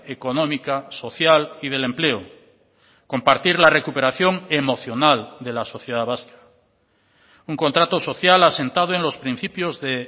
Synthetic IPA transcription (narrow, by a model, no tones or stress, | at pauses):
eko̞nomikaso̞θjalið̞e̞le̞mple̞o | ko̞mpaɾt̪iɾlare̞kupe̞ɾaθjo̞ŋe̞mo̞θjo̞nald̪e̞laso̞θjeðaβaskḁ | uŋko̞nt̪ɾat̪oso̞θjalase̞nt̪að̞oẽ̞nlo̞spɾin̟θipjozðe